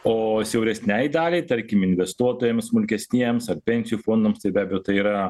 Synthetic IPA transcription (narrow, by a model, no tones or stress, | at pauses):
oːsʲɛʊɾʲɛsʲnʲæjd̪ɑːlʲɛɪt̪ɐɾʲkʲɪmɪnʲʋʲɛst̪uɔt̪oːjɛmsmʊlʲkʲɛsʲnʲiɛjɛmsɐrpʲɛnʲsʲɪjuːfoːnd̪omst̪ɐɪbʲæːbʲejoːt̪ɐɪiːɾɐ